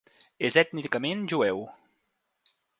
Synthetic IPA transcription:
ezɛt̪nikamẽnʒuɛw

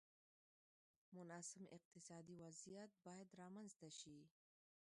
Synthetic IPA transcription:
mʊnɑsɪmɪ̰q̚t̪ɪsɑd̪iwazijat̪̚bɑjad̪ɾɑmanzt̪aʃi

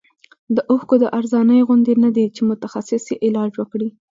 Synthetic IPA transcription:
d̪əʔʊxkod̪əʔaɾzɑnəjɣʊnd̪enad̪et͡ʃemʊt̪axasɪsjeʔɪlɑd͡ʒwəkɽi

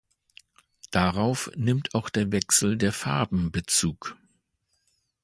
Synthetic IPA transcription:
d̥aʁaʊfnɪmtʰaʊxd̥eːɐvɛksl̩deːɐfaɐbm̩bət͡suːk

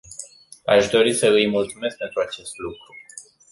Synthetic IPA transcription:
aʃd̪o̞ɾisəɨjmult̪sume̞sk̚pe̞nt̪ɾuat͡ʃe̞st̪lukɾu

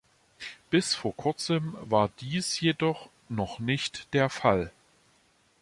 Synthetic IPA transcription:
b̥ɪsfoːɐkʰʊɐt͡səmvaːɐd̥iːsjedɔχ | nɔχnɪçtd̥eːɐfal

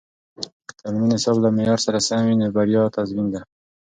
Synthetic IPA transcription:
t̪ʰamninɪsɑblamejɑɾsaɾasawinebaɾjɑt̪azmind̪a

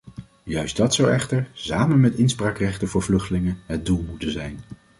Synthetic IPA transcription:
jœɥsdɑtsʌwɛχtəɹzaːmənmɛtɪnspraːkrɛχtənvʊːɹvlɵχtəlɪŋənɦəd̚dulˠmutənzɛjn

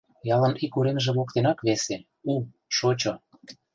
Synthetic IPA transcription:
jɑlə̆nikuɾenʒĕβokt̪enɑkβese | u | ʃot͡ɕo

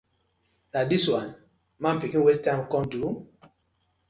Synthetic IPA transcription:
nadiswãn | mãnpikĩnwɛstãmkɔ̃mdu

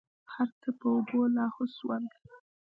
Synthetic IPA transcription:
haɾt̪apəobolɑhoswand̪

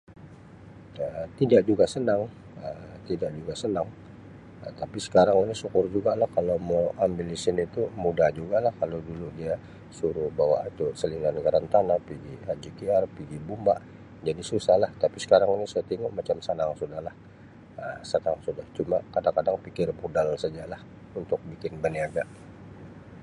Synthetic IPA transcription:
ət̪idaʔ̚d͡ʒuɡasənaŋ | ət̪idaʔd͡ʒuɡasənaŋ | ət̪apisə̥kaɾaŋinisukʊrd͡ʒuɡalahkalomoambɪlisɪnit̪umudahd͡ʒuɡalahkalowduludia | suɾubawa̰ʔit̪usəlinanəɡaɾant̪anapiɡihad͡ʒikiarpiɡibumbaʔ | d͡ʒadisusahlaht̪apisə̥kaɾaŋinisuat̪iŋuʔmat͡ʃamsanaŋsudahlah | əsanaŋsudaht͡ʃumakadaŋkadaŋpikɪrbudalsad͡ʒalah | unt̪ʊk̚bikɪnbəniaɡaʔ

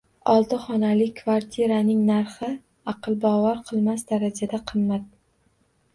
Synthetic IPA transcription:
ɒlˠt̪ɪχɒnalɪkʰvaɾt̪ʰɪɾanɪŋnaɾχɪ | ɑqɨlˠbɒvaɾqʰɨlˠmasd̪aɾad͡ʒad̪aqʰɨmːat̪̚

